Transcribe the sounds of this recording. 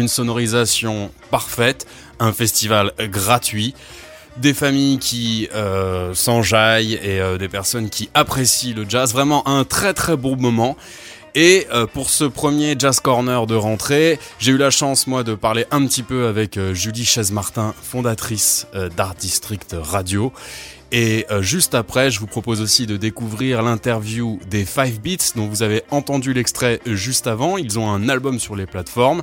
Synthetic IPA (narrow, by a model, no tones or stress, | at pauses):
ynsɔnɔʁizasjɔ̃paʁfɛt̪ | ɛ̃fɛst̪ivalɡʁat̪ɥi | d̪efamijkʲʰiøsɑ̃ʒajeød̪epɛʁsɔnkʲiapχesiləd͡ʒazvʁɛmɑ̃ʔɛ̃t̪χɛt̪χɛbõmɔmɑ̃ | eøpuʁsəpχəmjeʒazkɔʁnœʁd̪əʁɑ̃t̪χeʒeylaʃɑ̃smwad̪əpaʁleʔɛ̃pət̪ipøavɛkøʒyliʃɛzmaʁt̪ɛ̃fɔ̃d̪at̪χisd̪aʁt̪ist̪χikt̪ʁad̪jo | eʒyst̪apχɛʒəvupχɔpozosid̪əd̪ekuvʁiʁlɛ̃t̪ɛʁvjud̪efajvbit̪sd̪ɔ̃vuzaveɑ̃t̪ɑ̃d̪ylɛkst̪χɛʒyst̪avɑ̃ilzɔ̃ɛ̃nalbɔmsyʁleplat̪fɔʁm